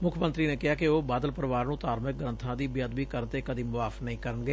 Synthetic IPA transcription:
mʊkʰmə̃nt̪ɾiːneːkɪɦaːkɪoːbaːd̪əlpəɾəʋaːɾnũːt̪aːɾmɪk̚ɡɾənt̪ʰãːd̪iːbɪjəd̪biːkəɾt̪eːkəd̪iːmʊʋaːfnəɦĩːkəɾənɡeː

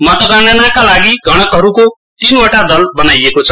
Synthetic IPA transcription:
mʌt̪ʌɡananakalaɡiɡʱʌɽ̃ʌkɦʌɾuko | t̪inoʈad̪ʌlbʌnajekot͡sʰʌ̥

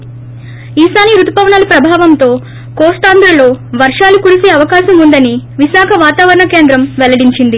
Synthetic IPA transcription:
iːsaːniɾut̪u̥pɐʋɐɳalɐpɾɐbʱaːʋɐmt̪o̞ː | koːsʈ̪aːnd̪ɾɐlo̞ːʋɐɾʂaːlukuɾiseːɐʋɐkaːʃɐmund̪ɐniʋiʃaːkʰɐʋaːt̪aːʋɐɾɐɳɐke̞ːnd̪ɾɐmʋɛlɐɽiɲt͡ʃind̪i

